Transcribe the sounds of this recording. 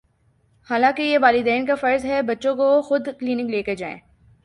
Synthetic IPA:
haːlãːkejeʋaːlɪd̪eːnkafɐɾzɦɛbɐtːʃõkoxʊd̪kliːnɪkleːked͡ʒa̰ːḛ̃ː

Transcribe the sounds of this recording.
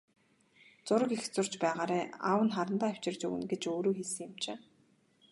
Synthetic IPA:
t͡sʊɾə̆kixt͡sʊr̥t͡ɕpæːʁaːɾæːa̰wə̆nχaɾə̆nt̪aːæw̥t͡ɕɪ̆rt͡ɕɵ̰wɘ̰̆nɡet͡ɕoːɾoːxesɘ̆ŋɪ̆mt͡ɕeː

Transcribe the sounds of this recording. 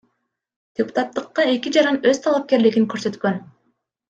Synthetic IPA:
d̪̥ʲepu̥t̪at̪ːɯqːɑe̞kʲid͡ʒɑɾɑnø̞z̥t̪ʰɑlˠap̚ke̞ɾliɡiŋkø̞ɾsø̞t̪kø̞n

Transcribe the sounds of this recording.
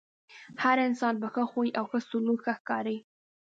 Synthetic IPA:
haɾɪnsɑnbəxəxojʔawxəst̪uluxəxkɑɾəj

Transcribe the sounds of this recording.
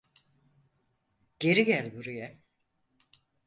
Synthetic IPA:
ɟ̥e̞ɾiɟælʲbuɾujɛ

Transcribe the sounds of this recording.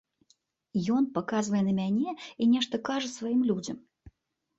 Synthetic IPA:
jɔnpakazvɐjɛnɐmʲanʲɛinʲɛʂt̪ɐkaʐɛsvajimlʲud͡zʲɐm

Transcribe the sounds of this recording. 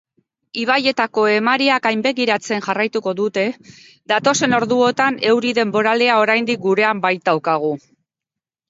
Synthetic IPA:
iβ̞aje̞t̪ako̞e̞maɾiakajmbe̞ɣiɾat͡se̞nʝarajt̪uko̞ðut̪e̞ | ðat̪o̞se̞no̞ɾðuo̞t̪ane̞wɾiðe̞mbo̞ɾale̞ao̞ɾajnd̪ik̚ɡuɾe̞ambajt̪̚d̪awkaɣ̞u

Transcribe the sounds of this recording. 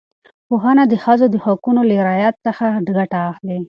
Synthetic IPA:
poɦɑnad̪əxazod̪əhakunoleɾɑjat̪səxaɖɡaʈaːxli

